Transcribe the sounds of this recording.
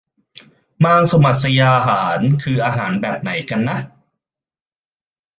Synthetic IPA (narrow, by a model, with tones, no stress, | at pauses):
maː˧ŋsa˧ma˨˩t̪̚sa˧jaː˧ɦaː˩˦nkʰɯː˧ʔaː˧ɦaː˩˦nbɛː˨˩p̚na˩˦jka˧nːa˦˥ʔ